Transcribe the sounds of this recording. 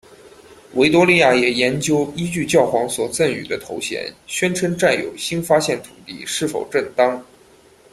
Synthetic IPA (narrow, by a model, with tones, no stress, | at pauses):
we˧˥ɪt̪wɔ˥li˥˧ja˥˩jɛ˨˩jɛ˧˥nt͡ɕjo˥ʊi˥t͡ɕy˥˧t͡ɕjɑ˥˩ʊxwɑ˧˥ŋswɔ˨˩t͡sə˥˩ny̰˨˩d̪ə˦t̪ʰo˧˥ʊɕjɛ̰˧˥nɕɥɛ˥nʈ͡ʂʰə˥nʈ͡ʂa˥˩ɪljo̰˧˥ʊɕi˥nfa˥ɕjɛ˥˩nt̪ʰu̥˨˩t̪ḭ˥˧ʂɻ̩˥˩fo˨˩ʊʈ͡ʂə˥˩nt̪ɑ˥ŋ